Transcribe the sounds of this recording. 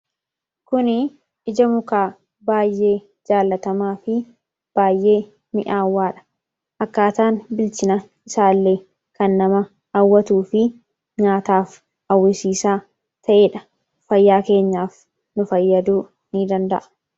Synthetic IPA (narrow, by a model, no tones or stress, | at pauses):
kʊnɪ | ɪd͡ʒɐmʊkaː | baːjːe̞ː | d͡ʒaːlːɐt̪ɐmaːfɪ | b̥aːjːe̞ː | mɪʔaːwːaːᶑɐ̥ | ʔɐkːaːt̪aːnbɪlt͡ʃɪnɐ | ɪsaːlːeː | kɐnːɐmɐ | ɐwːɐt̪uːfɪ | ɲaːt̪aːf | ɐwːɪsiːsaː | t̪ʰɐʔeːᶑɐ | fɐjːaːke̞ːɲːaːf | nʊfɐjːɐd̪uː | niːd̪ɐnd̪ɐ̰ʔɐ̥